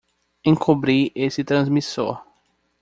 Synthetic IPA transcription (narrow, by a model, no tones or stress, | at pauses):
ẽŋkʰubɾiesɪt̪ɾɐ̃zmiso̰ɾ